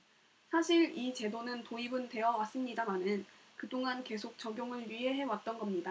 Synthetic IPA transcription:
sʰaɕʰiɾit͡ɕe̞donɯntoibɯnte̞ʌwas͈ɯmɲidamanɯnkɯdoŋanke̞sʰok̚t͡ɕʌɡjoŋɯɭɥiɦe̞ɦe̞wat̚t͈ʌnɡʌmɲida

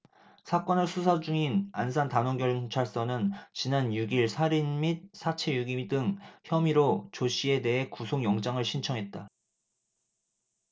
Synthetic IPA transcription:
sʰak͈ʌnɯɭsʰusʰad͡ʑuŋinans̬ʰantanwʌŋɡjʌɭt͡ɕʰaɭs͈ʌnɯnt͡ɕinanjuɡiɭsʰaɾinmit̚sʰat͡ɕʰe̞juɡimdɯŋçjʌmiɾot͡ɕoɕʰie̞de̞ɦe̞kusʰoŋjʌŋd͡ʑaŋɯɭɕʰint͡ɕʰʌŋɦe̞t̚t͈a

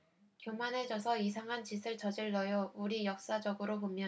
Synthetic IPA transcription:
kjomanɦe̞d͡ʑʌsʰʌisʰaŋɦant͡ɕisʰɯɭt͡ɕʌd͡ʑiɭːʌjouɾijʌk̚s͈ad͡ʑʌɡɯɾopomjʌn

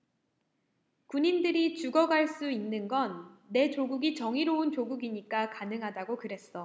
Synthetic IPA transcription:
kuɲindɯɾit͡ɕuɡʌɡaɭs͈uinːɯnɡʌnːe̞t͡ɕoɡuɡit͡ɕʌŋiɾount͡ɕoɡuɡiɲik͈akanɯŋɦadaɡokɯɾe̞s͈ʌ

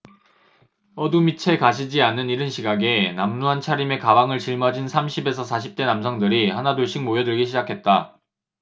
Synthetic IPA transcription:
ʌdumit͡ɕʰe̞kaɕ̬ʰid͡ʑianːɯniɾɯnɕʰiɡaɡe̞namnuɦant͡ɕʰaɾime̞kabaŋɯɭt͡ɕiɭmʌd͡ʑinsʰamɕʰibe̞sʰʌsʰaɕ̬ʰip̚t͈e̞namsʰʌŋdɯɾiɦanadoɭɕ͈ʰiŋmojʌdɯɭɡiɕʰid͡ʑakʰe̞t̚t͈a

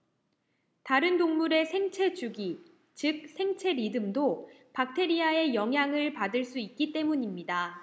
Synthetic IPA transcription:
taɾɯndoŋmuɾe̞sʰe̞ŋt͡ɕʰe̞t͡ɕuɡi | t͡ɕɯk̚sʰe̞ŋt͡ɕʰe̞ɾidɯmdo | pak̚tʰe̞ɾiae̞jʌŋɦjaŋɯɭpadɯɭs͈uik̚k͈it͈e̞muɲimɲida

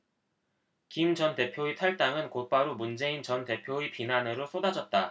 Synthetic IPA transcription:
kimd͡ʑʌnte̞pʰjoitʰʌɭt͈aŋɯnkot̚p͈aɾumund͡ʑe̞int͡ɕʌnte̞pʰjoipinanɯɾosʰodad͡ʑʌt̚t͈a

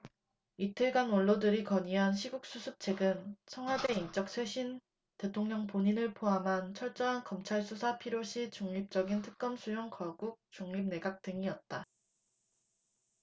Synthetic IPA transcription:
itʰɯɭɡanʌɭːodɯɾikʌɲiɦanɕʰiɡuk̚s͈usʰup̚t͡ɕʰe̞ɡɯnsʰʌŋɦwade̞int͡ɕ͈ʌk̚sʰwe̞ɕʰin | te̞tʰoŋɲʌŋpoɲinɯɭpʰoɦamɦant͡ɕʰʌɭt͡ɕ͈ʌɦankʌmt͡ɕʰaɭs͈ʰusʰapʰiɾjoɕʰit͡ɕuŋɲip̚t͡ɕ͈ʌɡintʰɯ̥k̚k͈ʌmsʰujoŋkʌɡuk̚t͡ɕuŋɲip̚ne̞ɡak̚t͈ɯŋiʌt̚t͈a

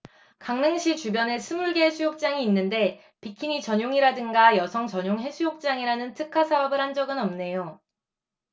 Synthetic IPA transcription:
kaŋnɯŋɕʰit͡ɕubjʌne̞sʰɯmuɭɡeɦesʰujok̚t͡ɕ͈aŋiːnːɯnde̞ | pikʰiŋit͡ɕʌɲoŋiɾadɯŋɡajʌsʰʌŋt͡ɕʌɲoŋɦe̞sʰujok̚t͡ɕ͈aŋiɾanɯntʰɯkʰasʰaʌbɯɭhand͡ʑʌɡɯnʌmne̞jo

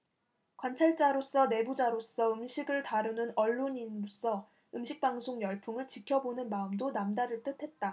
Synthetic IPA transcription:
kwant͡ɕʰaɭt͡ɕ͈aɾos͈ʌne̞bud͡ʑaɾos͈ʌɯmɕʰiɡɯɭtaɾɯnɯnʌɭːoɲinos͈ʌ | ɯmɕʰik̚p͈aŋsʰoŋjʌɭpʰuŋɯɭt͡ɕikʰjʌbonɯnmaɯmdonamdaɾɯɭt͈ɯtʰe̞t̚t͈a

